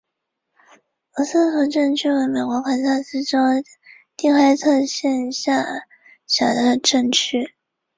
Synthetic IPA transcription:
ə˧˥sɤ˥˩fɔ˧˥˩ʈ͡ʂɤ˥˧ŋt͡ɕʰy˥˩we˧˥me˨˩ɪkwɔ˧˥kʰwa˧˩nsʰa˥˩s̩˥ʈ͡ʂo˥ʊ | t̪i˥˧ŋxwa˥˧ɪt͡sʰɤ˥˧ɕjɛ˥˧nɕja˥˩ | ɕjɑ˨˩ʊd̪ə˧ʈ͡ʂɤ˥˩ŋt͡ɕʰy˥˩

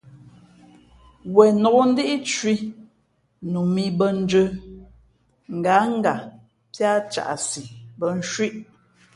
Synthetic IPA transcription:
wɛ˨nɔ˨ɡo˦n̩˦di˦ʔi˦t͡ʃwi˦ | nu˨mi˨bə˦n̩˦d͡ʒə˨˦ | ŋ̩˨ɡa˨˦ŋ̩˦ɡa˨ | pja˦t͡ʃa̰˨ʔsi˨bə˨n̩˦ʃwi˦ʔ

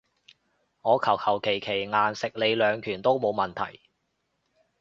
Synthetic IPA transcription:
ŋɔː˨˧kʰɐ˨˩whʰɐ˨˩wkʰe˨˩jkʰe˨˩jŋaː˨nsɪ˨k̚le˨˧jlœː˨˧ŋkʰyː˨˩nt̪o˥wmo˨˧wmɐ˨nt̪ʰɐ̰˨˩j

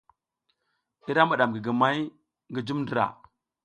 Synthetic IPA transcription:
i˦ɾa˦ma˨ɗa˨mɡi˨ɡi˨ma˦j | ŋɡi˦d͡ʒu˦mndə˨ɾa̰˨

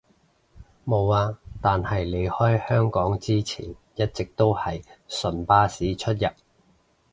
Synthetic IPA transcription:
mo˨˧waː˧t̪aː˨nhɐ˨jle˨˧jhɔː˥jhœː˥ŋkɔː˨˥ŋt͡siː˥t͡sʰḭː˨˩n | jɐ˥t̚t͡sɪ˨k̚t̪o˥whɐ˨jsɵ˨˩npaː˥siː˨˥t͡ʃʰɵ˥t̚jɐ˨p̚

